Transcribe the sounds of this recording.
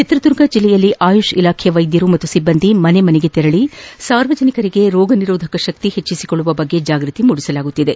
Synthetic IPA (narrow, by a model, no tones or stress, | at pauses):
t͡ʃit̪ɾɐd̪uɾɡɐd͡ʒilːɛjɐlːiʔaːjuʃɐilaːkʰjɐʋɐjd̪jɐɾumɐt̪ːusibːɐnd̪imɐne̞mɐneɡe̞t̪ɛɾɐɭisaːɾʋɐd͡ʒɐnikɐɾiɡe̞ɾɔːɡɐniɾɔːd̪ʱɐkɐʃɐk̚t̪ihe̞t͡ʃːisi̥koɭːuʋɐbɐɡːe̞d͡ʒaːɡɾɨt̪imuɽisɐlaːɡut̪ːid̪e̞